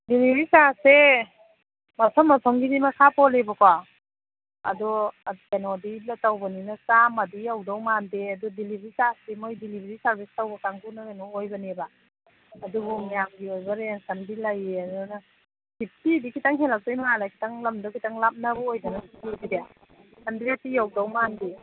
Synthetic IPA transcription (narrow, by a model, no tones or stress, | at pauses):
dilibɾisase | masʰɔmːatʰɔŋɡidimakʰapɔlebɔka | a̰dɔkanɔdilatawbaninasamadiawdawmandeadɔdilibɾisasdimojdilibeɾisaɾbistawbakaŋɡunakanɔojbanibaː | dubɔmijamɡiojbaɾeŋsandilajeadɔna | hip̚tidikʰitaŋɦelak̚tɔjmalakʰi̥taŋlamdɔkʰitaŋlap̚nabɔojdanaslaɡide | sanbiatijawdawmande